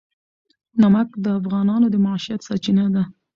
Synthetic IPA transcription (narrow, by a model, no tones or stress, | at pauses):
namakd̪əafɣɑnɑnod̪əmaʕʃijat̪sɑt͡ʃinad̪a